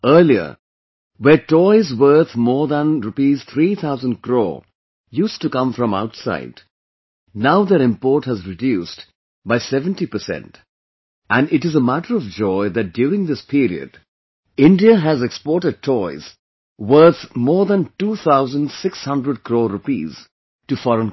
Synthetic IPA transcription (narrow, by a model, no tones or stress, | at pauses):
ɜːliə̰ | wɛtɔɪzwə˞t̪ʰmɔːɹðə̃nɾupiːz̥t̪ʰɾiːt̪ʰaʊzə̃ndkɾo̰ː | juːstukʌ̃ɱfɾɔ̃ma̰ʊtsa̰ɪd | naʊðəɾɪ̃mpɔːʈhəzɹɪdjuːst | baɪsɛvə̃nʈipəsɛ̰̃nt | æ̃nɪʈɨzəmæʈəɾɔvd͡ʒɔɪd̪æt̚ɖ̥juːɾɪ̃ŋd̪ɪspʰiːɾḭə̰d | ɪ̃nɖiəɦæzɛkspɔːɹʈəɖ̚tʰɔɪz̥ | wə˞θmɔːɹðə̃ntuːt̪ʰaʊzə̃nɖsɪkshʌ̃ndɾəɖ̚kɾoːɾupḭːz̥ | ʈufɔɾə̃n